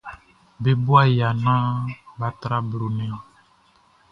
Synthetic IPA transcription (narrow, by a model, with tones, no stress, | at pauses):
be˨bu˦a˦˨ja˨nã˦ba˨t̪ɾa˦blo˨nɛ̃˨ɔ̃˨